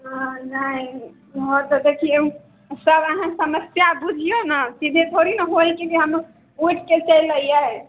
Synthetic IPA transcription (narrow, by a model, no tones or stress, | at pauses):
ɦãnəĩ | ɦoɾt̪ɔd̪ekʰijẽ | səbəɦãsəməsjabud͡ʒʱijonəsid̪ʱet̪ʰoɾinəɦojked͡ʒeɦəm | uʈʰket͡ʃəjləija